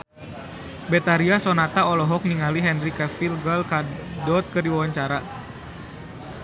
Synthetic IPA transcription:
bɛt̪aɾiasɔnat̪aɔlɔɦɔk̚niŋaliɦɛnrikɛfilɡəlkadɔt̪̚kərdiwawaɲt͡ʃaɾa

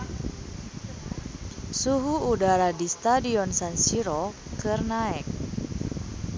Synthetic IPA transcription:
suɦuudaɾadist̪adiɔnsansiɾɔ | kɨrnaɛk̚

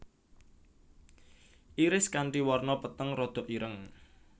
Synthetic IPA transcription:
ʔiɾɪskaɳʈiwɔrnɔpət̪əŋrɔd̪̥ɔ̤ʔiɾəŋ

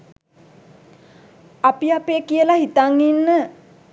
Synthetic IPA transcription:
apiapeːkijəlahit̪aŋːinːə

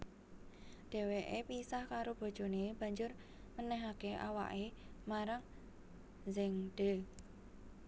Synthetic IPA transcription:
d̥e̤weʔepisahkaɾob̥o̤̥ʒ̥o̤neb̥a̤ɲd͡ʒʊr | mənɛɦakeʔa̰wa̰ʔemaɾaŋ | zɪŋɖ̥e̤

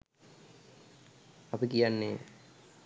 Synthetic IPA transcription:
apikijanːeː

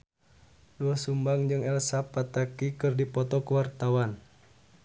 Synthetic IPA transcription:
duasumbaŋd͡ʒɨŋɛlsapat̪akikɨrdipɔt̪ɔkəwart̪awan

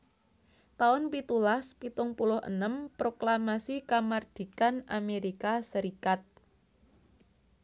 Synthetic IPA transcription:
t̪aʊnpit̪ulaspit̪ʊŋpulʊhə̰nəmpɾoklamasikamard̪̥i̤kanameɾikasəɾikat̪̚

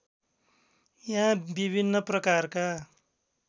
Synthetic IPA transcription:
jãbibʱinːʌprʌkarka

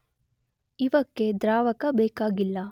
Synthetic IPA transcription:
iʋɐkːed̪ɾaːʋɐkɐbɛːkaːɡilːɐ

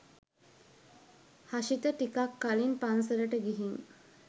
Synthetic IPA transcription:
haʃit̪əʈikakːalinpans̬əɾəʈəɡiɦiŋ

